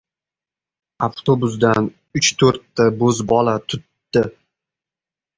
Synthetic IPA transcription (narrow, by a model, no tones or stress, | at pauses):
aft̪ʰobʊs̬d̪an | ʊt͡ʃt̪ʰɵɾt̪ːabɵzbɒlat̪ʰʊt̪ːɪ